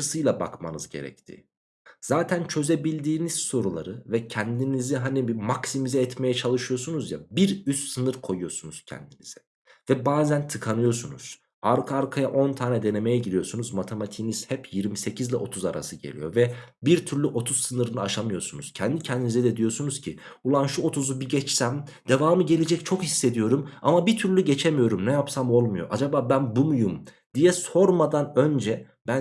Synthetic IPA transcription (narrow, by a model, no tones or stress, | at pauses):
ɯsɯjlˠaba̰kma̰nɯzɟe̞̰ɾɛ̰c̚t̪ʰḭ | z̥aːt̪ʰænt͡ʃʰø̞ze̞bilʲd̪iːniz̥so̞ɾulˠaɾɯvɛcʰɛnd̪iniziɦanibimaksimizɛːt̪me̞jɛt͡ʃʰalˠɯʃɯjo̞sunuzjabiɾyst̪sɯnɯɾkʰo̞jujo̞sunuz̥cʰɛ̰nd̪iniz̥ɛ̥ | vɛbaːzænt̪ʰɯkʰanɯjo̞sunṵz̥ | aɾkʰaaɾkʰajaʔo̞nt̪ʰaːnɛd̪e̞ne̞me̞jɛɟilʲijo̞sunuzmat̪ʰemat̪ʰiniz̥hɛpjiɾmise̞cʰizlʲɛʔo̞t̪ʰuza̰ɾa̰sɯɟe̞̰lʲḭjo̞vɛbiɾt̪ʰyɾlʲyʔo̞t̪ʰuzsɯnɯɾɯnɯaʃamɯjo̞sunuz̥cʰɛnd̪icʰɛnd̪inizɛd̪ɛd̪ijo̞sunuz̥cʰiulˠanʃuo̞t̪ʰuzubiɟɛt͡ʃsæmd̪̥e̞vaːmɯɟe̞lʲe̞d͡ʒɛc̚t͡ʃʰo̞khisːe̞d̪ijo̞ɾuma̰mabit̪ʰyɾlʲyɟe̞t͡ʃʰemijo̞ɾumnɛjapsamo̞lˠmujo̞̰ʔad͡ʒabaːbænbumujum | d̪̥ijɛso̞ɾmad̪anø̞nd͡ʒɛ | b̥æn